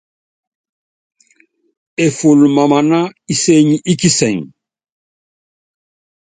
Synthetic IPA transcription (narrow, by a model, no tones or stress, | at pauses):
efulmamanaiseɲiʔikisɛŋ